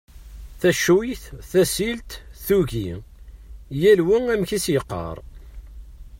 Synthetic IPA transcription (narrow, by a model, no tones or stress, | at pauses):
θæʃwijθθæsilt̪θuʝi | jælwiæmçisjəqːə̰ɾˤ